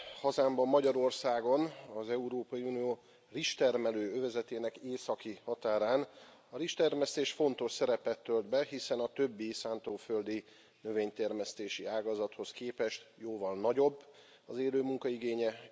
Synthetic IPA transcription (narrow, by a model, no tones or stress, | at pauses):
hɒzaːmbɒmːɒɟɒɾo̞rsaːɡo̞nɒzɛuɾoːpɒjiunijoː | riʃt̪ɛrmɛløːøvɛzɛt̪eːnɛkeːsɒkihɒt̪aːɾaːn | ɒɾiʃt̪ɛrmɛst̪eːʃfo̞nt̪o̞ʃsɛɾɛpɛt̪ːøld̪bɛɦisɛnɒt̪ø̞bːisaːnt̪oːføld̪i | nø̞veːɲt̪ɛrmɛst̪eːʃiaːɡɒzɒt̪ho̞skeːpɛʃt̪joːvɒlnɒɟo̞bː | ɒzeːløːmuŋkɒiɡeːɲɛ